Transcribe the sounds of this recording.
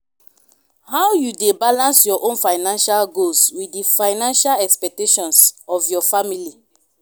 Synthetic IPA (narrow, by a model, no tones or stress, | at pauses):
hawjudebalãnsjɔʔõnfaɪnãnʃalɡoswidifaɪnãnʃalɛkspɛk̚teʃɔ̃nsɔvjɔfamili